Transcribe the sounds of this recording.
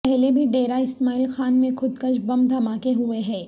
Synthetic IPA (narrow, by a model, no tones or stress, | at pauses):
pɛɦlebʱiɖeːɾaɪsmaːiːlxaːnmẽxʊd̪kəʃbɐ̃md̪ʱɐmaːkeɦʊeɦɛ̃ː